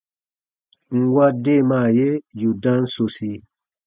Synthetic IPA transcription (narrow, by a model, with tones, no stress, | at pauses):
ŋ̩˨wa˦de˦˨maː˦˨je˦ju˨dã˦n̩˦so˨si˧